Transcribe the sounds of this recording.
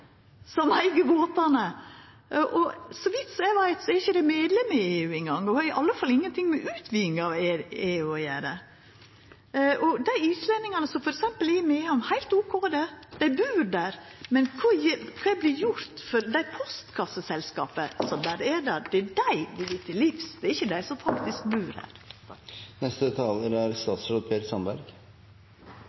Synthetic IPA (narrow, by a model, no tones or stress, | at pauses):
sɔmæɪɡəboːt̪ɑnə | ʔʔɔsɔʋɪt̪ːsɔæɪʋæɪt̪sɔɛɾɪçəd̪ɛmeːd̪lɛməɪeːʉːɛŋɡɑŋːɔhɑɾɪʔɑlːəfɑlɪŋːənt̪ʰɪŋmɛʔʉːt̪ʰʋiːɪŋɑʋɛeːʉːɔjæːɾə | ʔɔd̪æɪiːslɛnːɪŋɑnəsɔmfɔɾɛksɛmpəlæɪmeːɔmhæɪlt̪uːkʰoːd̪ɛd̪̥æɪbʉːɾd̪æɾmɛnkʰɑːɛkʰɑːɛɪblɪɾjʊɾt̪fɔɾd̪æɪpʰɔst̪kʰɑsːəsɛlskɑːpəsɔmd̪æːɾɛd̪æɾd̪ɛæɖæɪd̪ɪʋɪt̪ʰːɪlifsd̪̥ɛæɾɪçːəd̪æɪsɔmfɑkt̪ɪskbʉːɾæ̰ɾ | nɛst̪ət̪ʰɑləɾæɾst̪ɑːt̪sɾoːd̪̚pʰeːsɑnbæɾɡ̥